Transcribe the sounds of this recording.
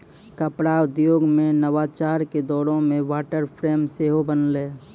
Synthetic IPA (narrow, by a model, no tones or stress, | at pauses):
kəpɽaʊd̪joːɡmẽnəʋaːt͡ʃaːɾked̪ɔːɾõmẽʋaːʈəɾpʰɾeːmseːɦobənleː